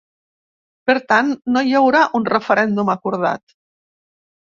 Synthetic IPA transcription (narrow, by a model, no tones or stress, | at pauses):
peɾt̪anːojawɾaʔunrefəɾɛnd̪umakuɾð̞a̰t̪